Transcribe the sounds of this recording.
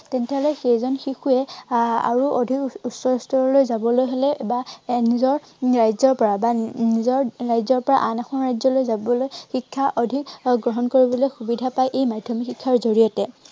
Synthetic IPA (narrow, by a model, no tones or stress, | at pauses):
tɛntɛɦɔlɔxejzɔnxixuɛa̰ɹuʔodʱikusɔɹstɔɹɔlojzabɔlojɦolɛbanizɔɹ | ɹajzɔɹpɔɹabanizɔɹɹajzɔɹpɔɹa̰ʔanaxʰɔnɹajzɔlojzabɔlojxikʰːaʔodʱikɡɹɔɦɔnkoɹibɔlojxubidʱapajʔejmadʱjɔmikikʰːaɹzoɹijɔtɛ